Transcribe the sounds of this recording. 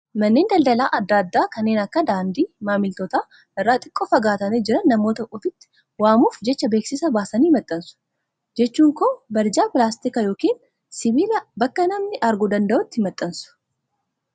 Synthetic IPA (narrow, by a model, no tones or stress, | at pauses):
mɐnːeːnd̪ɐld̪ɐla̰ːʔɐd̪ːaːd̪ːaːkɐnːeːnɐkːɐd̪aːnd̪iːmaːmɪlt̪ɔːt̪aː | ɪrːaːt̪ʼɪ̥kʼːoːfɐɡaːt̪ɐmeːd͡ʒɪɾɐnːɐmo̞ːt̪ɐʔuːfɪt̪ːɪ̥ | waːmuːfd͡ʒɛt͡ʃːɐbe̞ːksɪsɐbaːsɐniːmɐt̪ʼːɐnsʊ̥ | d͡ʒɛt͡ʃːuːŋkoːbɐɾd͡ʒaːpɪlaːst̪ɪkɐjo̞ːkiːn | sɪbiːlɐbɐkːɐnɐmnɪʔɐɾɡʊd̪ɐnd̪ɐʔʊt̪ːɪɪmɐt̪ʼːɐnsʊ̥